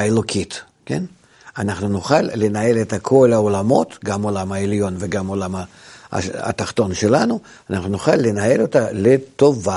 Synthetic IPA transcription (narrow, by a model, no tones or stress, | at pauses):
elˠokʲʰit̪ | kʲḛn | anaχnunʊχalːɪnae̞lɛt̪ɐkʰo̞lɐolamo̞̰t̪ɡamolamɐelʲjo̞nveɡamolamɐ̰ | a̰t̪aχt̪o̞nʃelanu | anaχnunʊχalʲːɪnae̞lot̪alʲet̪ova